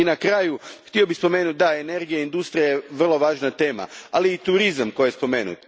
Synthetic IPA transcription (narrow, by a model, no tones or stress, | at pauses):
inakɾaːjuxt̪io̞bixspo̞me̞ːnut̪̚d̪aene̞ɾɡijaind̪ust̪ɾijajeʋr̩lˠo̞ʋaːʒnat̪e̞ːma̰aliːt̪uɾizamko̞jjespo̞me̞ːnṵt̪